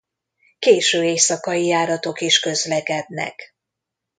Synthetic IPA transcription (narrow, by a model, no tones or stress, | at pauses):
keːʃøːeːjsɒkɒjijaːɾɒt̪o̞kiʃkø̞zlɛkɛd̪nɛ̰k